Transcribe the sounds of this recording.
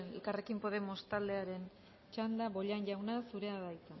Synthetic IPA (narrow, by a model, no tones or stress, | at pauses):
nḛlkare̞kimpo̞ð̞e̞mo̞st̪ald̪e̞aɾe̞n | t͡ʃand̪aβo̞ʎanʝawnasuɾe̞aðajt͡sa